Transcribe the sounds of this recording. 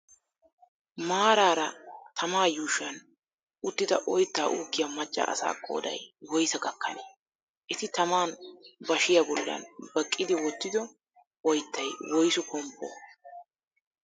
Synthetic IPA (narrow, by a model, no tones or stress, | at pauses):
maːɾaːɾɐt̪ʰɐmaːjuːʃɐn | ʊt̪ːɪd̪ɐʔɔjt̪ːaːʔuːkːɪjamɐt͡ʃʼːɐ̰ʔɐ̰sa̰ːkʼːo̞̰ːd̪ɐ̰jwɔjsɐɡɐkːɐ̰ne | ʔɪt̪ɪt̪ɐmaːnbɐʃɪjɐbɔlːɐ̰nbɐkʼːɪd̪ɪwɔt̪ːɪd̪ɔ | ɔjt̪ːɐjwɔjsɔkʰɔmpːo̰